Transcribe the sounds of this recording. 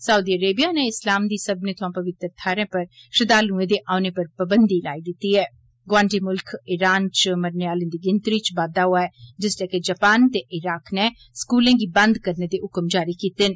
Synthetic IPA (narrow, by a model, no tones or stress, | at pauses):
sauːd̪iːəɾeːbijaːnɛ̃ːɪslaːmd̪iːsəbnẽːt̪ʰʊãːpəʋɪt̪ɾt̪ʰaːɾẽːpəɾʃɪd̪aːlũːẽːd̪eːʔaːneːpəɾpəbənd̪iːlaːiːd̪ɪt̪ːiːɦɛː | ɡʋãːɳʈiːmʊlkʰɪɾaːnt͡ʃməɾnɪaːlẽːd̪iːɡɪnt̪ɾiːt͡ʃbaːd̪aːɦʊaːɛːd͡ʒɪslɛːked͡ʒəːpaːnt̪eːʔɪɾaːknɛː | skuːlẽːɡiːbə̃nd̪kəɾneːd̪eːɦʊkmd͡ʒaːɾiːkiːt̪ɪn